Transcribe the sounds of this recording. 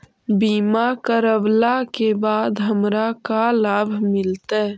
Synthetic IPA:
biːmakəɾəwlakebaːd̪ɦəmɾakalaːbʱmɪlt̪e

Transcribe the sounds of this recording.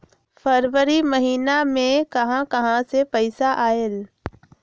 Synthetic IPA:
fəɾwəɾimɐɦiːnamẽkɐɦãkɐɦãsepɛɪsaʔaːel

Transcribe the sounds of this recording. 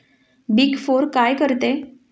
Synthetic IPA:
bikfoɾkajkəɾt̪e

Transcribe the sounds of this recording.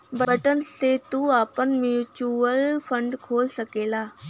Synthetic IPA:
bəbəʈənset̪uaːpənmjuut͡ʃuəlfʰə̃ɳɖkʰoːlsəkeːlaː

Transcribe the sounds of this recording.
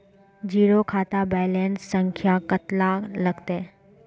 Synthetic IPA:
d͡ʒiːɾokʰaːt̪abɛːlenssə̃ŋkʰjakət̪laləɡt̪e

